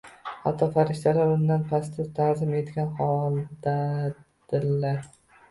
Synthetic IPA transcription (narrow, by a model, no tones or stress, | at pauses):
ha̰t̪ʰːɒfaɾɪʃt̪ʰalaɾʊnd̪anpʰas̬t̪ʰɪt̪ʰaɾzɪme̞t̪ɡʲanhɒlˠd̪a | d̪̥ɪlːaɾ